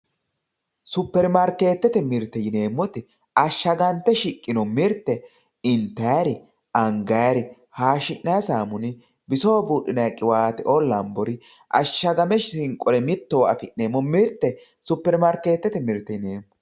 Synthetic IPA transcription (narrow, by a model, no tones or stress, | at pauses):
sʊpːɛɾmɐɾke̞ːt̪ːɛt̪ɛmɪɾt̪ːɛjɪne̞ːmːɔt̪ɪ | ɐʃːɐɡɐnt̪ːɛʃɪkʼːɪnɔmɪɾt̪ːɛ | ɪnt̪ːɐjɐɾɪ | ɐŋɡɐjɐɾɪ | haːʃɪʔnɐjsaːmʊnɪ | bɪsoːbuːɗɪnɐjkʼːɪwaːt̪ɪʔɔlːɐmbɔɾɪ | ʔɐ̰ʃːɐɡɐmɛʃɪsɪŋkʼɔlɛmɪt̪ːɔwɐfɪʔeːmːɔmɪɾt̪ːɛ | sʊpːɛɾmɐɾke̞ːt̪ːɛt̪ɛmɪɾt̪ːɛjɪneːmːɔ